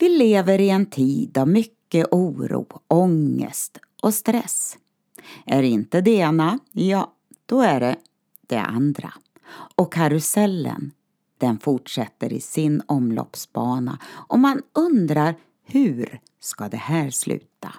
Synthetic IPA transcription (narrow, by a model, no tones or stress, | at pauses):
vɪleːvəɾɪɛnt̪ʰiːd̪avmʏkːəʔuːɾṵːɔŋːə̰st̪ | ʔɔst̪ɾɛs | ʔæɾɪnt̪əd̪ɛeːnajɑː | d̪̥ɔæɖɛ | d̪̥ɛ̰ʔa̰nd̪ɾa̰ | ɔkʰːaɾʉsɛlːə̰n | d̪̥ɛnfʊʈʂɛt̪ːəɾɪ̰sɪnɔmlɔ̰psbɑːnaʔɔmanɵnd̪ɾaɾ | hʉ̟ːɾ | skad̪ɛhæːɾslʔʉ̟ːt̪a